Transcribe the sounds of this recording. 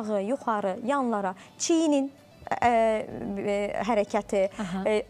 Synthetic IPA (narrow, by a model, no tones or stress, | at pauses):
ʁɯjuχɑɾɯjɑnlˠɑɾɑ | t͡ʃʰijinin | ɦæɾæcʰæt̪ʰi